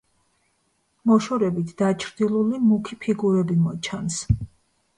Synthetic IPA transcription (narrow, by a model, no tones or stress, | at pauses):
mɔʃɔɾɛbit̪ʰd̪at͡ʃʰɾd̪ilˠulimukʰipʰiɡuɾɛbimɔt͡ʃʰans